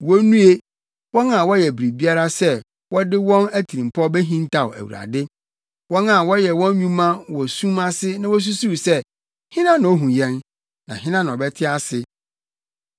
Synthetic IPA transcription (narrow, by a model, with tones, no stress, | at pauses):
wo˦nũ˦e˦ | wɔ̃˦nã˨wɔ˦jɛ˨bɾi˨bi˦a˦ɾa˦sɛ˦˨ | wɔ˦dɪ˦wɔ̃˦næ˦tʰi˨ɾĩ˨m˨pʰɔ˦bɛ˦ɦĩ˦n˦tʰa˨wæ̰˨wṵ˨a̰˨dɪ˦ | wɔ̃˦nã˨wɔ˦jɛ˨wɔ̃˦n˦ɲũ˦mã˦wɔ˨sũ˦ma˦sɪ˦nã˦wɔ˦s̬u˦su˦˨sɛ˦ | hɪ̃˦nã˦nʊ̃˨ɔ˦ɦũ˨jɛ̃˦n | nã̰˨ɦɪ̃˦nã˦ñ˨ɔ˨bɛ˦tʰɪ˦a˦sɪ˨